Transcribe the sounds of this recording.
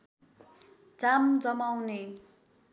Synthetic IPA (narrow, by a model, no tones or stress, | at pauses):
d͡zamd͡zʌmawne